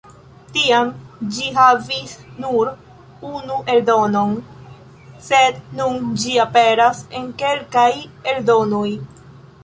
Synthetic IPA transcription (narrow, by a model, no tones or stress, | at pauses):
tiamd͡ʒiɦavisnuɾ | unuʔe̞ldo̞no̞n | se̞d̪nund͡ʒiape̞ɾase̞nke̞lkaje̞ldo̞no̞j